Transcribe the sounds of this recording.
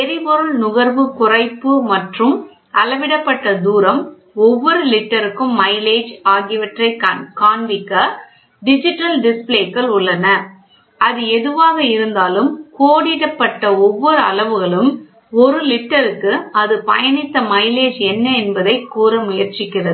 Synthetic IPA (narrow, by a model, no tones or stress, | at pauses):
ɛɾɪpɔɾɯɭnʊɣɐɾʋɯkʊrɐɪpːɯmɐʈrɯm | ɐlɐʋɪɽɐpːɐʈːɐd̪uːɾɐm | ɔʋːɔɾɯlɪʈːɐɾɯkːɯmːɐɪleːd͡ʒaːɣɪʋɐʈrɐɪkkaːɳʋɪkːɐ | ɖɪd͡ʒɪʈːɐlɖɪspleːkːɐɭʊɭːɐnɐ | ɐðɯɛðɯʋaːɣɐɪɾɯnd̪aːlɯmkoːɽɪɽɐpːɐʈːɐɔʋːɔɾɯɐ̰lɐʋɯɣɐɭɯm | ɔɾɯlɪʈːɐɾɯkːɯɐðɯpɐ̰jɐnɪt̪ːɐmɐɪleːd͡ʒɛnːɐɛnbɐðɐɪkːuːɾɐmʊjɐɾt͡ʃɪkːɪrɐðɯ